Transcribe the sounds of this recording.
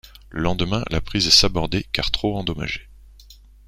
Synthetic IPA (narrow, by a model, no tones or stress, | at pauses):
ləlɑ̃d̪mɛ̃lʔa̰pχizɛsabɔʁd̪ekaʁ̥t̪χoɑ̃d̪ɔma̰ʒe